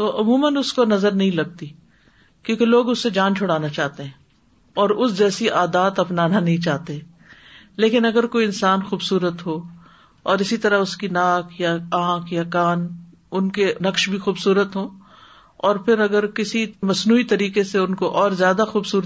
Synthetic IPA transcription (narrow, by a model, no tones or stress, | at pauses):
t̪oːʔʊmuːmənʊskonɐzəɾnɐɦĩlɐɡ̚t̪i | kjõːkeloːɡʊsːed͡ʒãːnt͡ʃʰʊɽaːnat͡ʃaːt̪eɦɛ̃ː | ɔːɾʊsd͡ʒɛːsiʔaːd̪aːt̪ɐpnaːnanɐɦĩt͡ʃaːɦt̪eɦɛ̃ː | leːkɪnɐɡəɾkoːiɪnsaːnxuːbsuːɾət̪ɦo | ɔːɾɪsit̪ɐɾaʊskinaːkʰjaãːkʰjakaːn | ʊnkenɐkʃbʱixuːbsuːɾət̪ɦoː | ɔːɾpʰɪɾɐɡəɾkɪsimɐsnuːit̪ɐɾiːkeseʊnkoʔɔːɾzjaːd̪axuːbsuːɾə